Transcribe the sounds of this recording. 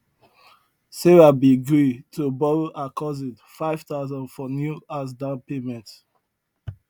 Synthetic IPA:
seɹabiɡɹitʰubɔɹoʔakʰɔzĩtfaɪv̥taʊzɔ̃ndfɔnjuas̬dãnpemɛ̃nt

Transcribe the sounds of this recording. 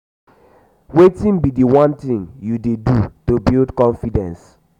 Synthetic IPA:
wetĩnbidiwɔ̃ntĩŋjudedutobildkɔ̃nfidɛ̰̃ns

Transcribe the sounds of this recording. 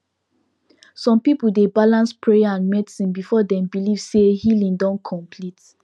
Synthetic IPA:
sɔ̃mpipuldebalãnspɹejaãnmɛdisĩnbifɔdɛ̃mbiliv̥sehilĩŋdɔ̃nkʰɔ̃mpʰlit

